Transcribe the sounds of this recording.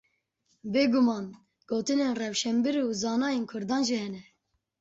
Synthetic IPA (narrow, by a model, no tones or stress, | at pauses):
beːɡumɑːn | ɡ̥oːt̪ɨneːnrɛwʃɛmbiɾuːzɑːnɑːjeːnkʰʊɾd̪ɑːnʒihɛnɛ